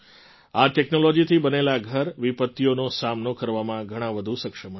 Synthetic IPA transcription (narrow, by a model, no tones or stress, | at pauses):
aʈɛknolɔd͡ʒit̪ʰibənelaɡʱəɾʋipət̪ːijonosamnokəɾʋamãɡʱəɽ̃ãʋəd̪ʱusəkʃəmə